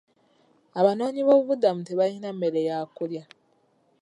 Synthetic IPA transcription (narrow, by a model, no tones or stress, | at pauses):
aβano̞ːɲiβo̞ːβuβudamuteβainameɾejaːkulja